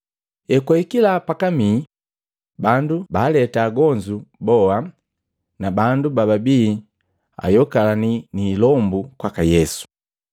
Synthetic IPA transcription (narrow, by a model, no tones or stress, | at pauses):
ɛkwɛikilapakami | bandubaːlɛtaːɡɔɲd͡ʒubɔa | nabandubababiː | a̰jɔkalaniniːlɔmbukwakajɛsu̥